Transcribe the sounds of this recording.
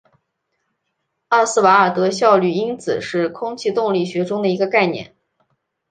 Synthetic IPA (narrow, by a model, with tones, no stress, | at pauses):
ɑ˥˧sɹ̩˥˩wa˧˥ə˞˨˩t̪ɤ˧˥ɕjɑ˥˧ʊly˥˩i˥nt͡sʰɹ̩̰˨˩ʂɻ̩˥˩kʰʊ˥ŋt͡ɕʰi˥˧t̪ʊ˥˧ŋli˥˩ɕɥɛ˧˥ʈ͡ʂʊ˥ŋd̪ə˨i˧˥ɡə˧ka˥˧ɪnjɛ̰˥˩˦n